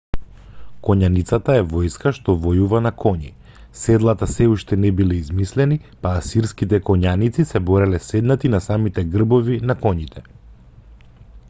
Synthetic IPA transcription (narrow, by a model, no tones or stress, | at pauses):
kɔɲanit̪sat̪aɛvɔjskaʃt̪ɔvɔjuvanakʰɔɲḭ | sɛd̪lˠat̪asɛuʃt̪ɛnɛbilɛizmislɛnipaːsiɾskit̪ɛkɔɲanit̪sisɛbɔɾɛlɛsɛd̪nat̪inasamit̪ɛɡr̩bɔvinakɔɲit̪ʰɛ